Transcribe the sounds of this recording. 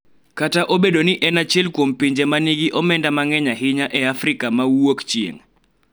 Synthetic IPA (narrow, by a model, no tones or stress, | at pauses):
kataʔobeɗonɪʔɛnat͡ʃɛlkwompiɲd͡ʒemaniɡiʔɔmɛndamaŋɛɲaɦɪɲaʔɛafɾɪkamawokt͡ʃiḛŋ